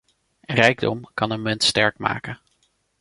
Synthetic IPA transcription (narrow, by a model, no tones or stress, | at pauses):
rɛjɡdɔmkɑnənmɪntstɛɹkma̰ːkə